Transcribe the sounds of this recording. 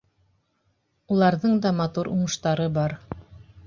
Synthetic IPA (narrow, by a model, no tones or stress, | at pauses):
ulˠɑɾðɤɴd̪ɑmɑt̪uɾʔuɴɤ̆ʃt̪ɑɾɤbɑɾ